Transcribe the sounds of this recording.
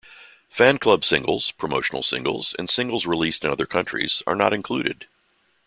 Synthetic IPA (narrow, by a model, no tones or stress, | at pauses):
fæ̃nkʰl̥ʌb̥sɪ̃ŋɡl̩ˠz̥pʰɹ̥əmoʊʃn̩l̩ˠsɪ̰̃ŋɡl̩ˠz̥ɨ̰̃nsɪ̃ŋɡl̩ˠzɹilistɨ̃nʌðə˞kʰʌ̃nt͡ʃɹ̥ḭz̥ə̰˞nə̰ɾɨ̃nkʰl̥ʉɾɨ̰d̥